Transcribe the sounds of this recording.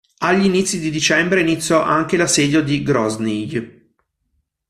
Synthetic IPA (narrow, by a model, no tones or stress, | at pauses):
aʎːinit̪sːid̪id̪it͡ʃɛmbɾeinit̪sːjɔʔaŋk̟elasɛːd̪jod̪iɡɾɔznij